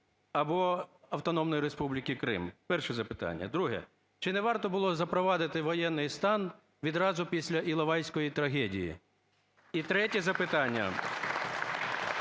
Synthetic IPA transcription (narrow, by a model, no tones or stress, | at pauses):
ɐbɔ | ɐwt̪ɔnɔmnɔjiɾespublʲikʲikɾɪ̰mpɛrʃɛzɐpɪt̪ɑ̰nʲːɐ̰d̪ɾuɦɛ̰ | t͡ʃɪnɛʋɑrt̪ɔbʊlˠɔzɐpɾɔʋɑd̪ɪt̪ɪʋɔjɛnːɪjst̪ɑn | ʋʲid̪ɾɑzʊpʲisʲlʲɐʔilˠɐʋɑjsʲkɔjit̪ɾɐɦɛdʲijḭ | it̪ɾɛtʲizɐpɪt̪ɑnʲːɐ̰